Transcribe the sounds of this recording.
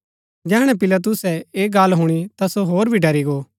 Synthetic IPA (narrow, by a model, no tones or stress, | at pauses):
d͡ʒɛːɽ̃ɛ̃pɪlat̪̬ʊsɛeːɡaːlɦʊɽ̃it̪asoɦoːɾbʱiɖʱɐɾiɡoː